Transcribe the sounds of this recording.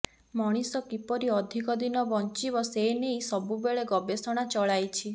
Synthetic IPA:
mɔɽ̃isɔkipɔɾiɔd̪ʱikɔd̪inɔbɔnt͡ʃibɔseinejsɔbubeɭeɡɔbesɔɽ̃at͡ʃɔɭajt͡ʃʰi

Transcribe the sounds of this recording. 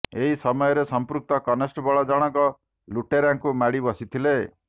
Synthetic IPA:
eɦisɔmɔjɔɾesɔmpɾuk̚t̪ɔkɔnesʈɔbɔɭɔd͡ʒɔɽ̃ɔŋkɔ | luʈeɾaŋkumaɽibɔsit̪ʰile

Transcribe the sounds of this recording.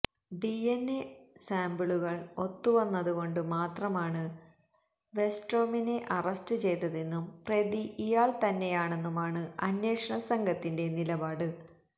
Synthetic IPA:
ɖienːesaːmbiɭuɣɐɭo̞t̪ːuʋɐnːɐðuɣo̞ɳɖɨmaːt̪rɐmaːɳɨ | ʋe̞sʈro̞ːmine̞ʔɐrɐstɨt͡ɕe̞jt̪ːɐðenːumpreðiʔijaːɭt̪ɐnːe̞jaːɳe̞nːumaːɳɨɐnje̞ːkʂɐɳɐsɐŋɡʱɐt̪ːinde̞nilɐbaːɽɨ

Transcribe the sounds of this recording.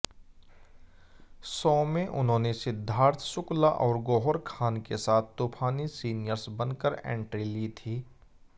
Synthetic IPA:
sɔːmẽʔʊnɦõːnesɪd̪ʱːaːɾt̪ʰsʊklaʔɔːɾɡɔːɦɔɾkʰaːnkesaːt̪ʰt̪oːpʰaːnisiːnɪjəɾsbɐnkəɾɛ̰̃ːɳʈɾilit̪ʰiː

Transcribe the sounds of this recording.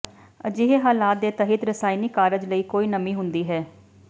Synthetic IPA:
d͡ʒɪɦeːɦaːlaːt̪̚d̪eːt̪əɦiːt̪ɾəsaːiniːkaːɾəd͡ʒləiːkoːiːnəmiːɦʊnd̪iːɦɛː

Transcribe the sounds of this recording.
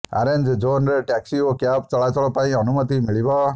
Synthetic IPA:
a̰ɾend͡ʒd͡ʒonɾeʈɛksiokjapt͡ʃɔɭat͡ʃɔɭɔpaĩɔnumət̪imiɭibɔ

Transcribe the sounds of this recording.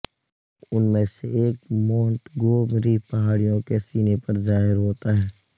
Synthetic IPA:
ʊnmẽseeːk̚mõːɳʈɡoːmɾipɐɦaːɽijõkesiːnepɐɾzaːɦɪɾɦoːt̪aɦɛː

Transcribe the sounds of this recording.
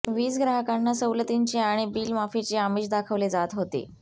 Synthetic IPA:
ʋiːt͡sɡɾaɦakanːasəwlət̪iɲt͡ɕeaɽ̃ibiːlmafet͡ɕeamiːt͡ɕd̪akʰəʋled͡zat̪ɦot̪ḛ

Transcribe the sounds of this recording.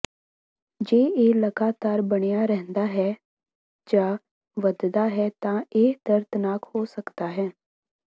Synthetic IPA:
d͡ʒeːeːləɡaːt̪aːɾbəɽ̃ejaɾɛɦə̃nd̪aːɦɛː | d͡ʒaː | ʋəd̪d̪aːɦɛt̪ãːeːd̪əɾt̪ənaːkhoːsəkd̪aːɦɛ̃ː

